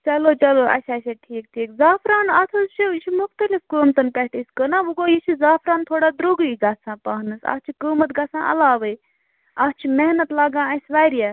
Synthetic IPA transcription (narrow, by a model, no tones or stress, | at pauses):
t͡ʃɐloːt͡ʃɐloʔɐ̰sasʲeʈʰiːk̚ʈʰiːkzaːpʰɾaːnɐt̪ʰuzt͡ʃʰit͡ʃʰimuxt̪əlifkəːmt̪ɐnpɛʈiskənaʋuɡojit͡ʃʰizaːpʰɾaːnt̪ʰoːɽaːd̪ɾuɡɨiɡɐsʰãːpaːɦnɨsɐ̰st͡ʃʰikəːmɐt̪ɡɐsã̰ːʔɐ̰laːʋəj | ɐst͡ʃʰimeɦnɐt̪laːɡãːɐsʋaːjɾija